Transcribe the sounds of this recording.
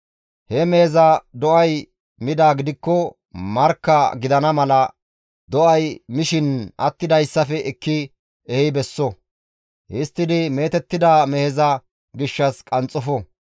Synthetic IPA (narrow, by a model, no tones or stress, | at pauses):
hɛmɛhɛzɐd̪ɔʔɐj | mɪd̪aːɡɪd̪ɪkːɔ | mɐɾkːɐɡɪd̪ɐnɐmɐlɐ | d̪ɔʔɐjmɪʃɪnɐt̪ːɪd̪ɐjsːɐfɛʔɪkːɪ | ɛhɪbɛsːɔ | ʔɪst̪ːɪd̪ɪme̞ːt̪ɛt̪ːɪd̪amɛhɛzɐ | ɡɪʃːɐskʼɐnt͡sʼːɔfɔ